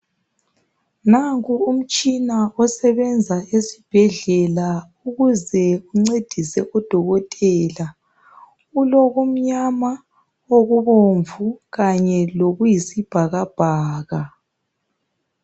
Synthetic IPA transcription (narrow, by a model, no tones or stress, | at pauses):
naŋkʼuum̩t͡ʃʼinaɔsɛβɛnd͡zʱaesib̥ʱɛɮɛla | uɣuzɛuŋ͡ǀed̥ʱisɛʔɔd̥ʱɔɣɔtʼɛːla | uloɣum̩ɲama | oɣuβoɱvuɣaɲɛloɣujisib̥ʱaɣab̥ʱaːɣa